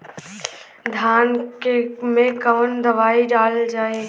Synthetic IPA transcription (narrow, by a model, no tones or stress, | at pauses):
d̪ʱaːnkemẽkəʋənd̪əʋaːiɖaːld͡ʒaːe